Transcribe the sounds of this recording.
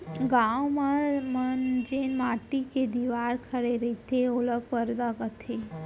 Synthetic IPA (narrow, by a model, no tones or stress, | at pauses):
ɡawmamənd͡ʒenmaʈiked̪iʋaɾkʰəɾeɾəit̪ʰeoləpəɾd̪aɡət̪ʰe